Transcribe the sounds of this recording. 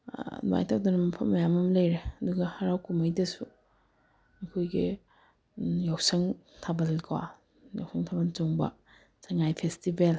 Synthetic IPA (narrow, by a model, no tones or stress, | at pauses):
nwa̰jtʰak̚dɐnɐmɐpʰɐmːɐjamɐmlɐjɾeɐduɡɐhaɾawkumɐjdɐsu | mɐkʰojɡḭ | jawsɐŋ | tʰabɐlkʰwa̰ | ja̰wsɐŋtʰabɐlt͡ʃoŋbɐ̰ | saŋajpʰestibel